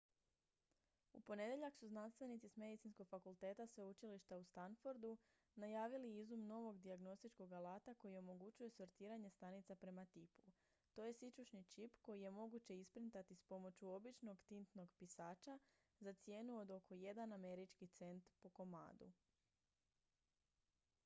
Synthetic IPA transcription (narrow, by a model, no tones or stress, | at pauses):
ṵpo̞ne̞d̪e̞ʎaksuznanst̪ʋe̞nit̪sisme̞d̪it̪sinsko̞ɡfakulˠt̪e̞ːt̪asʋeut͡ʃiliʃt̪aust̪anfoɾd̪u | najaːʋiliizumno̞ʋo̞ɡd̪iaɡno̞st̪it͡ʃko̞ɡalaːt̪ako̞jio̞mo̞ɡut͡ʃuje̞soɾt̪iːɾaɲe̞st̪anit̪sapɾe̞mat̪ipu | t̪o̞je̞sit͡ʃuʃnit͡ʃipko̞jije̞mo̞ɡut͡ɕe̞ispɾint̪at̪ispo̞mo̞t͡ɕjuo̞bit͡ʃno̞ɡt̪int̪no̞ɡpisaːt͡ʃa | zat̪sje̞ːnuo̞d̪o̞kʰo̞je̞d̪aname̞ɾit͡ʃkit̪se̞nt̪po̞ko̞ma̰ːd̪ṵ